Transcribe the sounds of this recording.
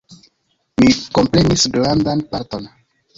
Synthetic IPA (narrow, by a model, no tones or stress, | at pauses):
miko̞mpɾenisɡlandanpaɾto̞n